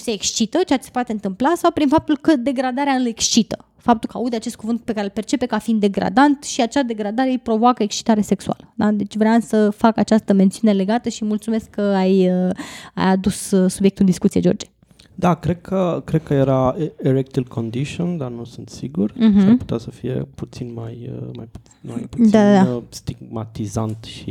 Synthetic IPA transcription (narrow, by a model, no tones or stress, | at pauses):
se̞ːkst͡ʃit̪ət͡ʃeat͡ʃesepoat̪eɨnt̪ɨmplasawpɾinfap̚t̪ulkəd̪e̞ɡɾad̪aɾealekst͡ʃit̪ə̥ | fap̚t̪ulkəaud̪eat͡ʃe̞st̪̚kuvɨnt̪pe̞kaɾelpe̞rt͡ʃe̞pe̞kafind̪e̞ɡɾʔa̰d̪ant̪ʃiat͡ʃad̪e̞ɡɾad̪aɾejpɾo̞voakəekst͡ʃi̥t̪aɾe̞se̞ksua̰ləd̪ad̪e̞t͡ʃʲvɾeamsəfakat͡ʃast̪əme̞nt̪siune̞le̞ɡat̪əʃimult̪sume̞skːəajəa̰jad̪ussubjek̚t̪uld̪iskut̪sied͡ʒo̞rd͡ʒe | d̪akɾe̞d̪̚kʰəkɾed̪̚kʰəjeɾaeɾek̚t̪ilkʰond̪iʃiond̪anusɨnt̪siɡur̩ɦm̩apu̥t̪easəfijḛput̪sinmajəma̰jpu | ma̰jpu̥d̪ad̪ad̪ast̪iɡmat̪izant̪ʃḭ